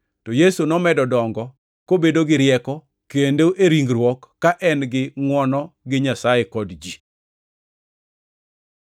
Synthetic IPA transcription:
tɔjesunɔmɛdɔdɔŋɡɔ | kobedoɡɪɾjɛkɔ | kendoʔeɾiŋɡɾwɔkːaʔɛnɡɪŋwɔnɔɡɪɲasajekɔdd͡ʒi

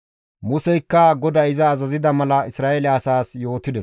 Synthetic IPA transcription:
mʊsɛjkːɐɡɔd̪ɐɪzɐːzɐzɪd̪ɐmɐlɐɪsɾaːʔelɛɐsaːsjo̞ːt̪ɪd̪ɛs

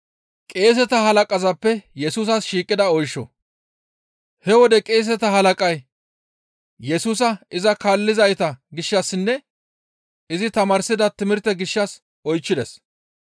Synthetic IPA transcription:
kʼe̞ːs̬ɛt̪ɐɦɐlɐkʼɐzɐpːɛjɛsuːs̬ɐsʃiːkʼːɪd̪ɐɔjʃːɔ̰ | hɛwɔd̪ɛkʼe̞ːs̬ɛt̪ɐɦɐlɐkʼɐj | jɛsuːs̬ɐɪzɐkaːlːɪzɐjt̪ɐɡɪʃːɐsːɪnːɛ | ɪzɪt̪ɐmaːɾsɪd̪ɐt̪ɪmɪɾt̪ɛɡɪʃːɐs | ɔjt͡ʃːɪd̪ɛs

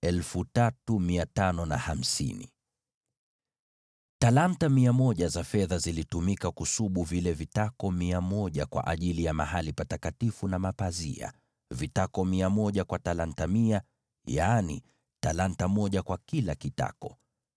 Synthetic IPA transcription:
ɛlfutatumiatanɔna̰ham̩sḭnḭ | talantamiamɔʄazafɛðazilitumikakusuɓuvilɛvitakɔmiamɔʄa̰kwa̰ʔaʄilijamaɦalipatakatifunamapazḭa̰ | vitakɔmiamɔʄakwatalantamia | janḭ | talantamɔʄakwakilakita̰kɔ

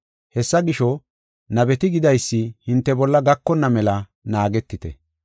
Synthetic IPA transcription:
hɛsːɐɡɪʃɔ | nɐbɛt̪ɪɡɪd̪ɐjsːɪhɪnt̪ːɛbɔlːɐɡɐkːɔnːɐmɛlɐ | naːɡɛt̪ːɪt̪ɛ̰

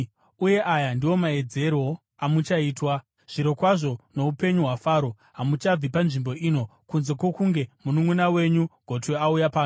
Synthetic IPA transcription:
uje̞ʔajandiwo̞mae̞d͡ze̞ɾwo̞ | amut͡ʃaiːtwa | ʐ̥iɾo̞kwaʐo̞no̞upe̞ɲuɦwafaːɾo̞ | ɦamut͡ʃab͡vipanʐimbo̞ʔiːno̞kunze̞kwokuŋɡe̞munumunawe̞ɲuɡ̥ʱo̞tweaujapaːnu

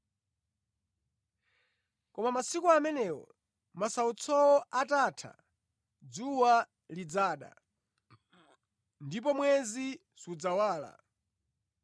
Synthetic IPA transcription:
kɔmamasikuamɛnɛwɔ̰ | masaut͡sʰɔwɔatatʰa̰ | d͡zuwa | lid͡zaːɗa̰ | ndip̬ɔmwɛzi | sud͡zawaːla̰

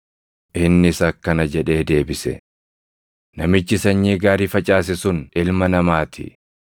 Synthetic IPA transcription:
ʔɪnːɪsɐkːɐnɐd͡ʒɛᶑe̞ːd̪e̞ːbɪsɛ̰ | nɐmɪt͡ʃːɪsɐɲːiːɡaːɾiːfɐt͡ʃʼaːs̬ɪsʊnʔɪlmɐnɐmaːt̪ʰɪ̰

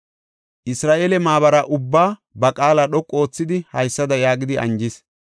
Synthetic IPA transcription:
ʔɪsɾaːʔeːlɛmaːβɐɾɐʔʊbːaːbɐkʼaːlaɗɔkʼːo̞ːt͡sːɪd̪ɪhɐjsːɐd̪ɐjaːɡɪd̪ɪʔɐ̰nd͡ʒɪs

